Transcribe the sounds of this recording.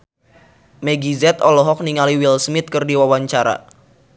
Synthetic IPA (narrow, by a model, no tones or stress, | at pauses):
mɛɡizɛt̪ɔlɔɦɔk̚niŋaliwilsmɪt̪̚kɨrdiwawaɲt͡ʃaɾa̰